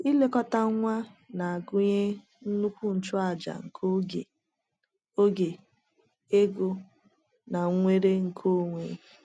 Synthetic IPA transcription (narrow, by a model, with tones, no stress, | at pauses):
i˦le˦kɔ˦ta˦ŋʷa˦na˨a˨ɡʊ˦ɲe˦ | n̩˦nu˦kʷu˦n̩˨t͡ʃʊ˦a˨d͡ʒa̰˨ŋ̩˨kʰo˦e˨ | o˦ɡe˨ | e˦ɡʊ˦ | na˨˦ŋʷe˦ɾe˦ŋ̩˨kʰo˦˨ŋʷḛ˨